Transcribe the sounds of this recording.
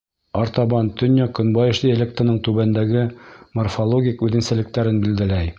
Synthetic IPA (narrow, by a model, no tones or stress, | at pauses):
ɑɾt̪ɑbɑnt̪ɵ̆nʲjɑkɵ̆nbɑjɤ̆ʃlˠielʲek̚t̪ənɤɴt̪ʉβænd̪æɡɘmorfolˠoɡʲikʉðɘ̆nsælɘ̆k̚t̪æɾɘnbild̪ælæj